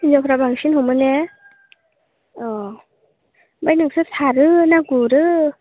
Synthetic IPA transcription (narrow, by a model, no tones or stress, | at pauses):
jɔkɾabaŋsʰinɦowmɯnɛ | ɔ | bajnɯŋsɯt̪ʰaɾɯnaɡuɾɯ